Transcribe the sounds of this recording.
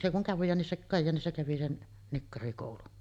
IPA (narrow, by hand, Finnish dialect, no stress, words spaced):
se kuŋ kɑjːɑːnisːɑ kɑjːɑːnisːɑ kæʋi sen nikːɑrikoˑulun